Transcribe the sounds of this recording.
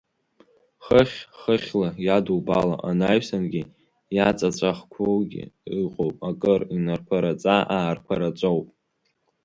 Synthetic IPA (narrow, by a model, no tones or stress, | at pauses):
χəχʲχəχʲlajaduwbala̰ʔanajsanɡʲi | jat͡sʼat͡ɕʷʼaχkʷʰowɡʲɪ̰iqʼowpʼakʼɨrinarkʷʰaɾat͡sʼaʔaːrkʷʰaɾat͡ʃʷʼowpʼ